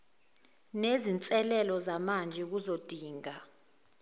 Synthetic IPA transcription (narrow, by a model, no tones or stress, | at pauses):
nezint͡sʼɛlɛlɔzamand͡ʒʱɛk̬uzod̥ʱiːŋa